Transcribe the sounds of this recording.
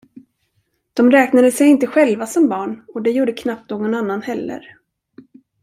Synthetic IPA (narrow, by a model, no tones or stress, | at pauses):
d̪̥ɔmɾɛːknad̪əsɛjɪnt̪əɧɛlvasɔmbɑːɳɔd̪ɛjuːɖəkʰnap̚t̪̚oːɡɔnanːanhɛlːə̰ɾ